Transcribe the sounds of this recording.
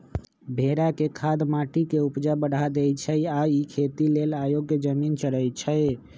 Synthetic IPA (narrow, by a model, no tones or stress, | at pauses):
bʱeɾakekʰad̪maʈikeupd͡ʒabəɽʱad̪ɛjt͡ʃʰəaikʰet̪ilelajoɡːed͡ʒəmint͡ʃəɾəjt͡ʃʰəɪ